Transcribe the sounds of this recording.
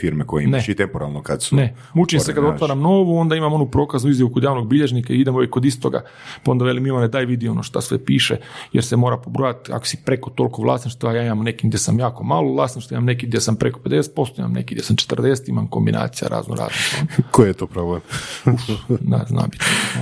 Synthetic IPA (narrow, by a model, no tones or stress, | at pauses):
fiɾmekojeneit̪empoɾa̰lˠnokad̪sune | mut͡ʃimsekad̪ao̞t̪ʋaːɾamno̞ːʋuo̞nd̪aimamo̞nupɾo̞ːkaznuizjaʋukod̪jaːʋno̞ɡ̚biʎe̞ʒnikaiid̪emoʋjekːod̪ist̪oɡa̰ | pao̞nd̪aʋelimilaned̪aːjʋid̪io̞noʃt̪asʋḛpiːʃejḛɾsemo̞ːɾapobɾoːjat̪a̰ko̥si̥pɾe̞kot̪o̞lko̞ʋlˠa̰ːsiʃt̪ajaːimamnekiɡdjesamjaːko̞maːlˠoʋlˠaːsiʃt̪aimamnek̬iɡd̪ʲjesampɾe̞kope̞d̪e̞set̪̚po̞st̪oima̰mne̞̰kiɡd̪ʲjesamt͡ʃe̥t̪rd̪eset̪ima̰mko̞mbinʔa̰ːt̪sija̰ɾa̰ːzno̰ɾa̰ːznost̪a̰nkojjet̪oːpɾoblemuna̰zna̰ːbi̥t̪o